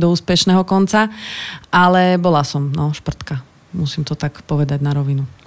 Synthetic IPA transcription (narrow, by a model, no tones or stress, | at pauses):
d̪ɔuːspɛʃnɛːɦɔkɔnt͡sa | alɛbɔlasɔmnɔʃpr̩t̪ka | musimt̪ɔt̪akpɔʋɛd̪aɟnaɾɔʋinu